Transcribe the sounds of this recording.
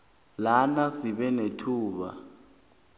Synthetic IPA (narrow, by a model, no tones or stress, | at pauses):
lanasiɓɛnetʰuːɓa